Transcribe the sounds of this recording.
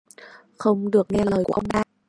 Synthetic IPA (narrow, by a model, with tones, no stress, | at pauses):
xə˧wŋ͡mɗɨ˨˩ək̚ŋɛ˧ləː˨˩jku˧˩ʔə˧ŋ͡mɗaː˧˥